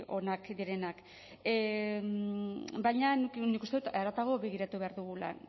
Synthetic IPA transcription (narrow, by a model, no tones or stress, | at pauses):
o̞nakd̪iɾe̞nak | mbajɲanuknikust̪eut̪aɾat̪aɣ̞o̞βe̞ɣ̞iɾat̪uβe̞aɾðuɣula̰